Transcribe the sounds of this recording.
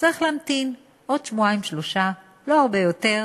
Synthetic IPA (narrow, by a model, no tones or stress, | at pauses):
t͡saʁiχlaːmt̪in | ʔo̞dʃmuaimʃlo̞ʃa | lo̞aʁbejo̞te̞ʁ